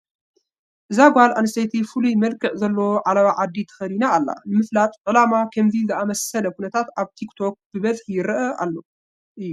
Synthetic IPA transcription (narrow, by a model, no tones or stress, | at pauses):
ʔɨzaɡʷalʔanɨsajt̪ʰifɨlujmɐlkʼɨʕzɐlːoʕalɐβaʕad̪ːit̪ʰɐ̥xɐlinaːlːa̰nɨmɨflat̪ʼʕɨlamakʰɐmzizɨamɐsɐlɐkʰunɐt̪ʰat̪aβt̪ʰikt̪ʰo̞k̚b̥ɨbɐzħjɪɾʔɐʔa̰lːo | ʔɨjːu